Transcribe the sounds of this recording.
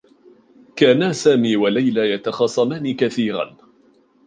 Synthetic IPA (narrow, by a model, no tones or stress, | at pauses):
kaːnaːsaːmiːwalajlaːjat̪ɑxɑsˤɑmaːniːkaθiːɾa̰n